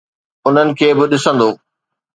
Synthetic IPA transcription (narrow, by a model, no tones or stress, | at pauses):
ʊn̤ənɪ̆kʰeːbɪɗɪsə̃nd̪oː